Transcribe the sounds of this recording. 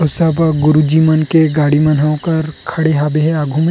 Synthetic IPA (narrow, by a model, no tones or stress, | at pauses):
osəbɡʊɾud͡ʒimɐnkeɡaːɽimɐnɦɐ̃kɐɾkʰɐɽeɦaːbeɦɛaːɡʱumẽ